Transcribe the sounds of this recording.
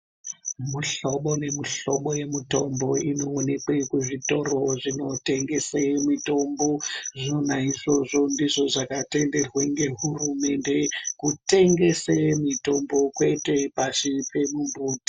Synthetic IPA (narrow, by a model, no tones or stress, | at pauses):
muɬoɓo̞ne̞miɬo̞ɓoje̞muto̞mbo̞ino̞ːne̞kwe̞kuʐito̞ro̞ʐino̞teŋɡe̞semito̞mbo̞ʐonaiʐo̞ʐo̞ndiʐo̞ʐakate̞nde̞rweŋɡe̞ɦurume̞nde̞kute̞ŋɡe̞semito̞mbo̞kwe̞te̞paʃipemumbuːti̥